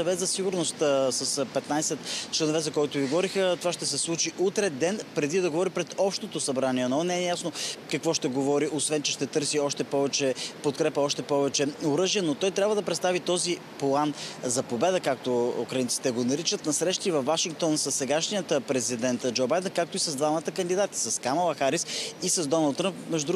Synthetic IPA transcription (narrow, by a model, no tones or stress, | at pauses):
sɐvɛt̪zɐsiɡʊɾnost̪sɐspɛt̪najsɛt̪t͡ʃlɛnovɛzɐkɔjt̪oviɡovɔɾixət̪ovaʃt̪ɛsɛslˠut͡ʃiʔut̪ɾɛd̪ɛnpɾɛd̪id̪ɐɡovɔɾipɾɛt̪ɔpʃt̪ot̪osɐbɾaniɛnɔnɛɛjasnokɐkvɔʃt̪ɛɡovɔɾiʔosvɛnt͡ʃɛʃt̪ɛt̪ɤɾsiɔʃt̪ɛpɔvɛt͡ʃɛpot̪kɾɛpəɔʃt̪ɛpɔvɛt͡ʃɛoɾɤʒijɛnot̪ɔjt̪ɾʲabvəd̪ɐpɾɛt̪st̪avit̪ɔzi | plˠanzɐpobɛd̪əkak̚t̪oukɾɐint̪si̥t̪ɛɡonɐɾit͡ʃət̪nɐsɾɛʃt̪ivɐfvaʃiŋk̚t̪ɔnsɐsːɛɡaʃnijət̪pɾɛzid̪ɛnt̪d͡ʒobajd̪ɛnkak̚t̪oisɐzd̪vamət̪əkənd̪id̪at̪i̥sɐskaməlˠɐxaɾisisɐzd̪ɔnɐlˠd̪ːɾəmpmɛʒd̪ʊd̪ɾ